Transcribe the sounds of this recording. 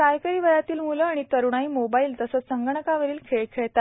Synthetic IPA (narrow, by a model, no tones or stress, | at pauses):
kajkəɾiːʋəjat̪iːlmuləaɽ̃it̪əɾuɳ̃aiːmobaiːlt̪əsəːt͡sːəŋɡəɳəkaʋəɾiːlkʰeɭkʰeɭt̪a